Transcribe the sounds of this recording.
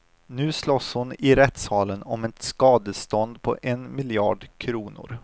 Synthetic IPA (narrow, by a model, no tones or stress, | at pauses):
nʉ̟ːslɔshʊnɪɾɛt̪sɑːlənɔmɛt̪skɑːd̪əst̪ɔnd̪pʰɔ̰ʔɛnmɪljɑ̰ːɖkʰɾuːnʊ̰ɾ